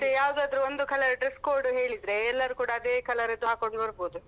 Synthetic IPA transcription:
t̪ejaːʋd̪uɐd̪ɐɾuond̪ukʰɐlɐɾɖɾeskoːɾɖuɦeːɭid̪ɾeːlːɐɾukuːɽaɐd̪eːkʰɐlɐɾɐd̪ːuaːko̞ɳɖɐɾboːd̪u

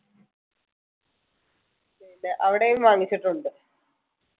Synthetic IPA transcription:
eneʔɐʋiɽejumʋaːŋːit͡ɕːiʈːuɳɖɨ

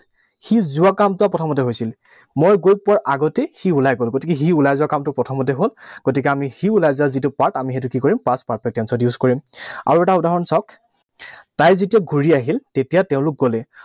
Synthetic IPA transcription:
xizʊakamtʊapɹɔtʰɔmɔtɛɦojsil | mojɡojpaɹʔaɡɔtɛxiulajɡolɡotik̬ɛxiulajzuwakamtʊpɹɔtʰɔmɔt̬ɛɦolɡ̥otikɛamixiulajzʊazitʊpaɹtamixet̬ʊkikɔɹimpãspaɹt̚pɛtɛnsɔdjuzkɔɹima̰ɹuɛtaudaɦɔnsɔk | tajzetijaɡʱuɹiaɦiltetijateʊ̃lʊk̚ɡolɛ

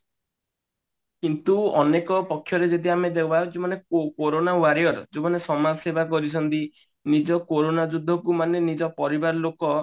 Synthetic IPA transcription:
kint̪uɔnekɔpɔkʰːjɔɾed͡ʒed̪iamed̪ewbat͡ʃemaneokoɾonawaɾiɔɾɔd͡ʒemanesɔmasebʱak̬ɔɾit͡ʃʰɔnt̪i | nid͡ʒɔkoɾonad͡ʒud̪ʱːɔkumanenid͡ʒɔpɔɾibaɾɔlokɔ

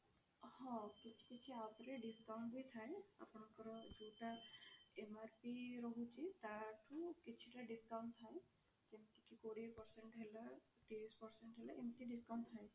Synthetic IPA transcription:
hɔ̃kit͡ʃʰi̥kit͡ʃʰiat̪ɾeɖiskaw̃ɳʈbʱit̪ʰaea̰pɳ̃ɔ̃ŋkɔɾɔd͡ʒoʈaemaɾpiɾɔɦut͡ʃʰit̪aʈʰukit͡ʃʰiʈaɖiskawɳt̪ʰae | d͡ʒemt̪ikikoɽepɔɾseɳʈɦela | ʈespɔɾseɳʈɦelaemt̪iɖiskawɳt̪ʰae

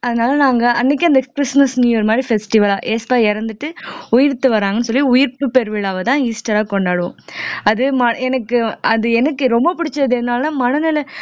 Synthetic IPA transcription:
ɐðɐnaːlɐnaːŋɡɐɐnːɪk̬ʲːɐnd̪ɐkɾɪsmɐsniːɔɾɯmaːd̪ɾifɛsʈɪʋɐlaːʔeːspaːɛɾɐnd̪ɯʈːɯʊjɪɾt̪ːɯʋɐɾaːŋɡɐnːɯsɔlːiʊjɪɾpɯpɛɾɯʋɪɭaːʋɐt̪ãːiːsʈɐɾaːkɔɳɖaːɽɯʋõ̰ɐðɯmɐɛnɐkːɯɐðɯɛnɐkːɯɾɔmbɐpʊɽɪt͡ʃːɐɐðɛðɯnaːlãːmɐnɐnɪlɐ

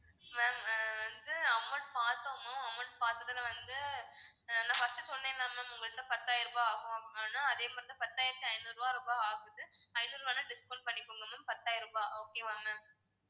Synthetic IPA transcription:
maːmʋɐnd̪ɯɐmːɐɳpaːɾt̪ːɐːmʊ̃ɐmːɐnpaːɾt̪ːɐðɐlʋɐnd̪ɯ | ɐlːãːfɐsʈɯsɔnːɐ̃ɪlːãːmaːmʊŋɡɐɭɯt̪ːɐpɐt̪ːaːjɪɾɯbaːaːɣʊ̃ɐŋaːnãːɐðeːpɐːɾɐnd̪ɯpɐt̪ːaːjɪɾt̪ːɯɐɪnuɾʋaːɾɔbaaːɣɯðɯɐɪnuɾʋaːnɐ̃ɖɪskoːʈ̚pɐɳːɪkːoːŋɡɐmʊmpɐt̪ːaːjɪɾɯpaːʔoːkeːʋaːmːaːm

